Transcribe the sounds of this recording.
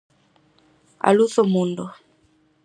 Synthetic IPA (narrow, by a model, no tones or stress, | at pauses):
a̰luθɔmundɔ